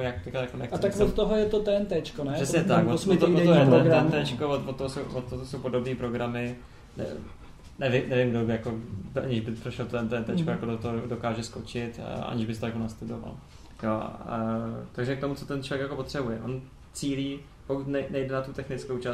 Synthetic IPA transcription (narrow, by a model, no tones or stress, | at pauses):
ojakt̪ɛklajakonɛxt͡sɛt̪akvot̪t̪ːoɦojɛt̪ot̪ɛnt̪ɛt͡ʃkonɛrɛsɲɛt̪akvot̪ːovot̪ːojɛnɡ̪ɛnt̪ɛt͡ʃkovot̪vot̪tːoɦosowvot̪ːoosowpo̞do̞bniːpɾo̞ɡɾamɪ | nɛ̰ | nɛvɪmnɛvɪmɡdobɪjakoʔaɲɪʒbɪpɾoʃɛlt̪oɛnt̪ɛɛnt̪ɛt͡ʃkojakodot̪oɦodokaːʒɛskot͡ʃɪt̪ʔa̰ɲɪʒbɪst̪ojakonast̪udova̰l | jo̰ː | t̪aɡʒɛk̚t̪o̞mut͡sot̪ɛnt͡ʃovjɛkjako̞po̞t̪r̥ɛbujɛʔon | t͡siːliː | po̞kut̪nɛjnɛjdɛnat̪ut̪ɛxnɪt͡skowt͡ʃas